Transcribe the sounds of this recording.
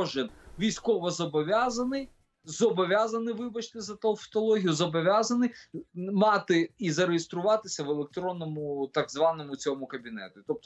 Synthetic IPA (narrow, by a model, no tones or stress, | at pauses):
ɔʒɪnʋʲijsʲkɔʋɔzɔbɔʋʲazɐnɪj | zɔbɔʋʲjazɐnɪʋɪbɐt͡ʃt̪ɪzɐt̪ɐfɔ̥t̪ɔlˠɔɦʲijʊzɔbɔʋʲjazɐnɪjmɑt̪ɪizɐɾejest̪ɾʊʋɑt̪ɪsʲɐʋelˠek̚t̪ɾɔnːɔmʊt̪ɐɡzʋɑnɔmʊt͡sʲɔmʊkɐbʲinɛ̰t̪ʊt̪ɔp̚t̪